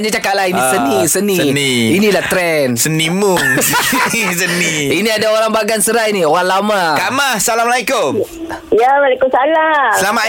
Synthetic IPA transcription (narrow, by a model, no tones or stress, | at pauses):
nd͡ʒat͡ʃakaʔlainisənisənĩəniinilaht̪ɾɛnsənimʊŋsənisəniiniadaoɾaŋbaɡansəɾainioɣaŋlamakamasalamalajkʊm | jawalakʊmsalasəlama